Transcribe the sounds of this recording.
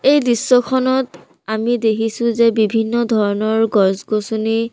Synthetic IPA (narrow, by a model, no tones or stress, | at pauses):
ejdisːɔkʰɔnɔt | amidekʰisʊ̃zebibʱinːɔdʱɔɹɔnɔɹɡɔsɡosuni